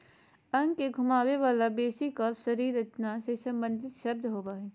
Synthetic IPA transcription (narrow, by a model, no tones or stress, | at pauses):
ɐ̃ŋɡkːeɡʱʊmaːweʋaːlabeːsikɐsɐɾiːɾət͡ʃnasesɐ̃mbə̃nd̪ʱɪt̪ʃɐb̚d̪ʱɦoːbaːɦɛː